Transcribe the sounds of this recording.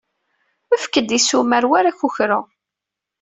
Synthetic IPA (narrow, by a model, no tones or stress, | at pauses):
əfkːəd̪isumæɾwaɾaçuçɾʊ